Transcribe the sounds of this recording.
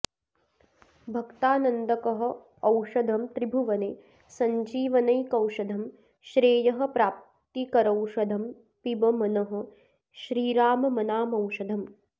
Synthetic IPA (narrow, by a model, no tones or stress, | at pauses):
bʱɐkt̪aːnɐnd̪ɐkɐɦɐ̆ | ɐwʂɐd̪ʱɐmt̪ɾibʱuʋɐneː | sɐɲd͡ʒiːʋɐnɐjkɐwʂɐd̪ʱɐm | ʃɾeːjɐɦɐ̆pɾaːp̚ | t̪ikɐɾɐwʂɐd̪ʱɐm | pibɐmɐnɐɦɐ̆ | ʃɾiːɾaːmɐmɐnaːmɐwʂɐd̪ʱɐm